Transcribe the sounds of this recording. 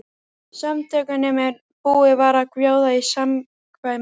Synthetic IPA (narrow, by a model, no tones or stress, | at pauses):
samt̪ʰɛːkanɛmɛɾ | puːɪvaɾakvjoːwðaisam | kʰva